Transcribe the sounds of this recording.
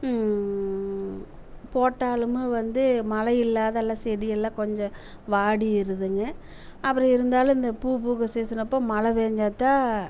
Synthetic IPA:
poːʈːaːlɯmɯʋɐnd̪ɯmɐlɐjɪlːaːðɐlːaːsɛɽɪjɛlːãːkɔɲd͡ʒɔ̃ | ʋaːɽiɪɾɯðɯŋɡɐ | ɐpːɯɾɐ̃ɪɾɯnd̪aːlɔ̃ɪnd̪ɐpuːpuːɣɐseːsɪnɐpːoːmɐlɐʋeːɲd͡ʒaːt̪ːãː

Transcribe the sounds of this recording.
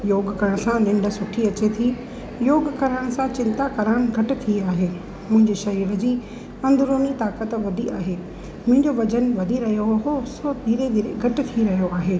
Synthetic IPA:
joːɡkɐɾəɽ̃ʊsãnɪ̃ɳɖə̆sʊʈʰiɐt͡ɕet̪ʰiː | joːɡkɐɾəɽ̃sãt͡ɕɪ̃nt̪akɐɾəəɽ̃ɡʱɐʈʊ̆t̪ʰiaːɦeː | mʊ̃ɦɪ̃ɲd͡ʑeʃɐɾiːɾə̆d͡ʑiː | ɐ̃nd̪ʱʊɾoːnit̪aːkət̪ʋɐd̪ʱiaːɦeː | mʊ̃ɦɪ̃ɲd͡ʑoʋɐd͡ʑənʋɐd̪ʱiɾɐɦijoɦosod̪ʱiːɾed̪ʱiːɾḛɡʱɐʈɪ̆t̪ʰiɾɐɦijoaːɦeː

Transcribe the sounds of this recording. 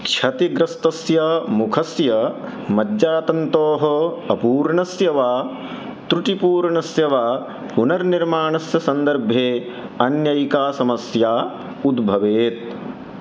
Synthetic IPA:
kt͡ʃʰɐt̪iɡɾɐst̪ɐsjɐmukʰɐsjɐ | mɐdjaːt̪ɐnt̪oːɦɐɐpuːɾɳɐsjɐʋaː | t̪ɾuʈipuːɾɳɐsjɐʋaː | punɐɾniɾmaːɳɐsjɐsɐnd̪ɐɾbʱeː | ɐnjɐjkaːsɐmɐsjaː | ud̪bʱɐʋeːt̪̚

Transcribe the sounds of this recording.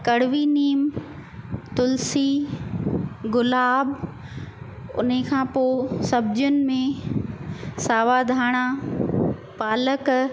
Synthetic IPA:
kɐɽʋiniːm | t̪ʊlsi | ɡʊlaːb | ʊ̰nɦekʰãːpoːsɐb̚d͡ʑjʊnɪ̆mẽ | saːʋad̪ʱaːɽ̃a | paːlək

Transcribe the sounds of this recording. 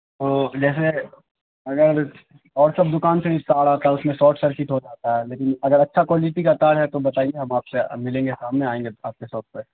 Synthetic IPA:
t̪oːd͡ʒɛːse | ɐɡəɾ | ɔːɾsɐb̚d̪ʊkaːnseit̪aːɽaːt̪aɦɛʊsmẽsɔːʈsɐɾkɪʈɦod͡ʒaːt̪aɦɛleːk̬ɪnɐɡəɾɐtːʃʰakwaːlɪʈikat̪aːɽɦɛt̪obɐt̪aːieɦɐmaːpsemɪlẽːŋɡesaːmneaːẽːŋɡeaːp̚kesɔːʈ̪̚se

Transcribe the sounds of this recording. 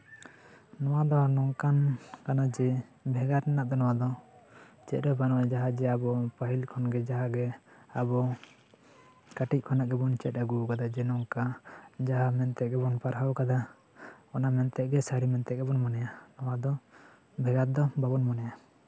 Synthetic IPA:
nɔwad̪ɔnɔŋkankanad͡ʒɛbʱɛɡaɾɛnaʔd̪ɔnɔwad̪ɔ | t͡ʃɛt̪̚ɾɔbanɔad͡ʒaɦad͡ʒɛabɔpaɦilkʰɔnɡɛd͡ʒaɦaɡɛabɔ | kaʈic̚ˀkʰɔnaʔɡɛbɔnt͡ʃɛt̪̚ˀaɡukad̪ad͡ʒɛnɔŋkad͡ʒaɦamɛnt̪ɛʔ̚ɡɛbɔnpaɾɦakad̪a | ɔnamɛnt̪ɛʔ̚ɡɛsaɾimɛnt̪ɛʔ̚ɡɛbɔnmanɛjanɔwad̪ɔ | bʱɛɡat̪̚d̪ɔbabɔnmanɛja

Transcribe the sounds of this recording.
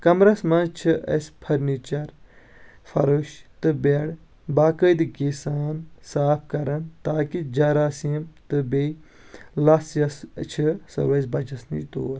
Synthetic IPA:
kɐmɾɐsmɐ̃nt͡ʃʰɨʔɐ̰sʲpʰɐɾnit͡ʃɐɾ | fʰɐɾuːʃt̪ɨbeɽ | baːkəjd̪ikisaːnsaːpʰkɐɾɐnt̪aːkid͡ʒɐɾaːsimt̪ɨbei | lɐsjɐst͡ʃʰɨsɐ̰ɾɐs̬bɐd͡ʒɐsnḭd̪oːɾ

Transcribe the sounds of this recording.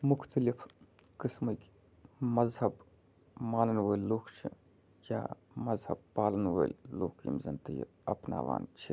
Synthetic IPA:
mʊkʰt̪ɐlifʰ | kɨsməkʲ | mɐzhɐb | maːnɐnʋoːlʲːoːkt͡ʃʰḭ | ja̰ː | mɐzhɐbpaːlənʋo̰lʲloːkḭmzɐnt̪ɐjḭ | ɐ̰pna̰ːʋa̰ːnt͡ʃʰi

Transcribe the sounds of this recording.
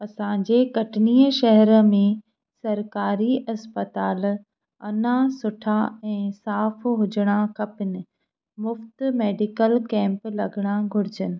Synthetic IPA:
ɐsãd͡ʑeːkɐʈʰɪniːəʃɐɦɛɾə̆mẽ | sɐɾkaːɾiʔɐspət̪aːl | ɐnasʊʈʰaɛ̃ːsaːfɦʊd͡ʑəɽ̃akɐpɪnɪ̆ | mʊft̪meːɖɪkəlkɛ̃ːmplɐɡʱəɽ̃aɡʱʊɾɪd͡ʑənɪ̆

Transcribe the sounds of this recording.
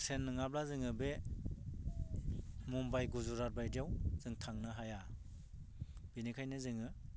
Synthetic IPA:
senːɯŋablazɯŋɯbe | mumbajɡuzuɾaɾbajdijawz̥ɯŋtʰaŋnɯɦaja | b̥inikʰajnɯzɯŋɯ

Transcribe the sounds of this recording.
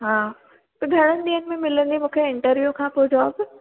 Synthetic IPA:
ɦãː | t̪ɐɡ̪ʱɐɽ̃ənɪ̆d̪iːənɪ̆mẽmɪlənd̪imũːkʰeɪ̃ɳʈəɾʋjokʰãːpod͡ʑɔːb

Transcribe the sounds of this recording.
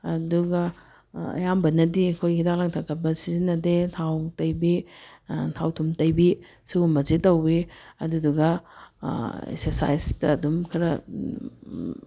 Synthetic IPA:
ɐduɡɐ | ɐ̰jambɐnɐdiɐkʰojɡidak̚laŋtʰakʰɐt̚bɐsizinɐdetʰawtɐjbi | tʰawtʰumtɐjbi | sumɐzetːɐwiɐduduɡɐ | ḛsesa̰jstɐːdumkʰɐɾɐ

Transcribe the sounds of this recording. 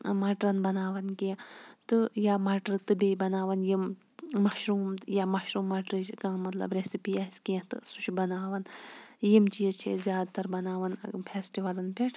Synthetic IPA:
mɐʈɾɐnbɐnaːʋɐnkĩt̪ɨjamɐʈɾt̪ɨbeːbɐnaːʋɐnjimː | ɐʃɾuːmjamɐʃɾuːmːɐʈɾɨt͡ʃkãːmɐt̪lɐ̰bɾesipiɐiskiɐ̃t̪ɨsut͡ʃʰbɐnaːʋɐnjimt͡ʃiːzt͡ʃʰḛzjaːd̪t̪ɐɾbɐnaːʋɐnpʰeːsʈiʋɐlɐnpeʈʰ

